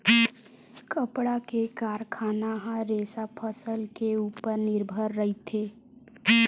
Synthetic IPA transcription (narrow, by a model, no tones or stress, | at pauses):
kəpɽakekaːɾkʰaːnaɦãɾeːsapʰəsəlkeuːpəɾnɪɾbʱəɾːəɦit̪ʰeː